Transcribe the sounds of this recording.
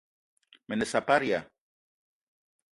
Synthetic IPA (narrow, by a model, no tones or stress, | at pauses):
menesapaɾja